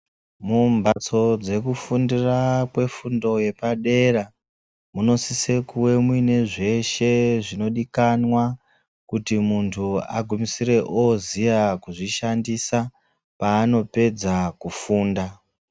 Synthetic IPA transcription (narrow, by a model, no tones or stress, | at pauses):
mumbat͡so̞d͡ze̞kufundirakwe̞fundo̞je̞paɗe̞ra | muno̞sise̞kuwe̞mwineʐe̞ʃe̞ʐino̞ɗikanwa | kutimuntʰua̰ɡʱumisire̞ʔozijakuʐiʃandisa | paːno̞pe̞d͡zakufuːnda